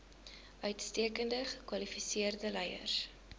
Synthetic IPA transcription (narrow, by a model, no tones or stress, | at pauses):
ʔœɥtstiəkəndəχəkwɐlifisiərdəlɛjə̰rs